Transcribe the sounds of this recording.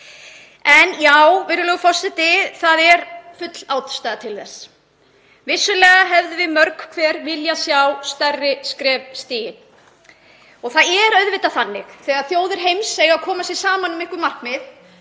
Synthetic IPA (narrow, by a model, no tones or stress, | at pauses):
ɛnjawvɪːɾʏlœːɣʏfɔsɪt̪ɪθaðɛɾ̥fʏt̪l̥aːwt̪st̪ajðat̪ʰɪlθɛsː | vɪsːʏlɛːɣaɦɛvðɪvɪmœɾkkʰvɛːɾvɪljasjawst̪œrːɪskɾɛːvst̪iːjɪn | ɔɣθaðɛɾœɥðvɪt̪aθanːɪxθɛɣaɾθjoːwðɪɾ̥ɦejmsejɣakʰɔːmasjɛɾ̥saːmanʏmɪhkʏmar̥kmɪð